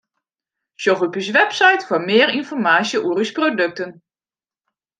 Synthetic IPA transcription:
soχupysʋɛpsajtfʊːɹmɪːrinfɔɹmaːsjəʔuːrysprodɵk̚tən

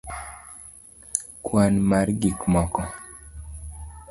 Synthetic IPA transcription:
kwanmarɡikmɔkɔ

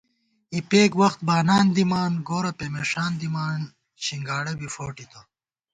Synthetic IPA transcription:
ipeːkwɐxt̪̚baːnaːnd̪imaːnɡoːɾɐpemeːʂaːnd̪imaːn | ɕiŋɡaːɽɐbifoːʈit̪ʰo

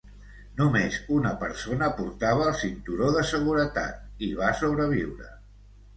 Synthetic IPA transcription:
numezunəpəɾsonəpuɾt̪aβ̞əːlˠsint̪uɾoðəsəɣ̞uɾət̪a̰t̪̚iβ̞asoβɾəβ̞iwɾə̰

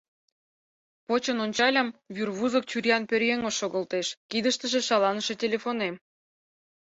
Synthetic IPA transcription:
pot͡ɕə̆nonʲt͡ɕɑlʲɑmβyrβuzə̆k̚t͡ɕyɾjɑnpørjeŋoʃoɣə̆lt̪eʃkid̪əʃt̪ə̆ʒĕʃɑlɑnəʃe̽tʲelʲefonem

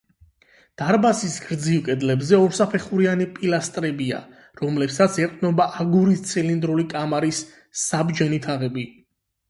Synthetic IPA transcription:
d̪̥aɾbasisɡ̥ɾd̪zilkʼɛd̪lɛbzɛɔɾsapʰɛχuɾianipʼilast̪ʼɾɛbia̰ | ɾɔmlɛpsat̪sʰɛqʼnɔbaʔaɡuɾist̪sʰɛlind̪ɾulikʼamaɾisː | abd͡ʒɛnit̪ʰaʁɛbi

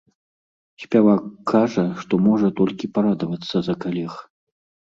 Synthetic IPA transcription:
sʲpʲavakːaʐɐʂt̪ɔmɔʐɐt̪ɔlʲkʲipaɾad̪ɐvɐt̪sːɐzɐkalʲɛx

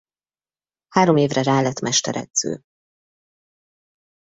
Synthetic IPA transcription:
haːɾo̞meːvrɛraːlɛt̪mɛʃt̪ɛɾɛ̰d̪z̥ø̰ː

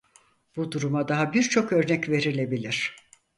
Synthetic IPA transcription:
b̥ud̪uɾumad̪aɦabiɾt͡ʃʰo̞kø̞ɾnɛcve̞ɾilʲe̞bilʲiɾ̥

